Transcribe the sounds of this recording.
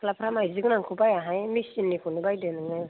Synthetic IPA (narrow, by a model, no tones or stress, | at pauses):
kʰlapʰɾamajzɯknaŋkʰubajaɦajmisinːikʰunibajdenɯŋɯ